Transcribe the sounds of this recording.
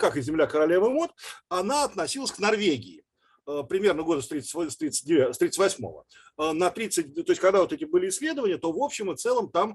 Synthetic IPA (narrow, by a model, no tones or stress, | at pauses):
kakɨzʲɪmlʲakəɾɐlʲevəmot̪ɐnaɐt̪nɐsʲilˠəsʲknɐrvʲeɡʲɪɪ | əpɾʲɪmʲe̞rnəɡo̞d̪əst̪ɾʲit̪sst̪ɾʲit̪sɨ̥t̚ʲdʲɪvʲast̪ɾʲit̪sɨtʲvɐsʲmo̞̰və̰ | ənɐt̪ɾʲit̪sɨt̚ʲt̪o̞ɪsʲtʲkaɡd̪avo̞t̪ɛtʲɪbɨlʲɪsʲlʲe̞d̪əvənʲɪjət̪o̞vo̞pɕːɪmɨft̪sɛlˠəmt̪am